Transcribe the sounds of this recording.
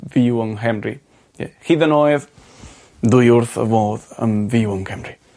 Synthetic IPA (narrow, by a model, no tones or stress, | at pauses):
vɪwəŋɦɛmri | ɛ̰hiðənoːjð | dʊjʊrθə̰voːðə̰mvɪwəŋkʰɛmri